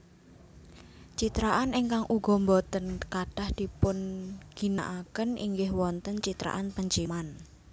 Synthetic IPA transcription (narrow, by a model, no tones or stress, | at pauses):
t͡ʃit̪ɾaʔaneŋkaŋʔuɡ̥ɔ̤mbɔt̪ənkaɖ̥a̤hd̪̥i̤pʊnɡ̥i̤na̰ʔakənḭŋɡɪhwɔnt̪ənt͡ʃit̪ɾa̰ʔanpəɲt͡ʃiman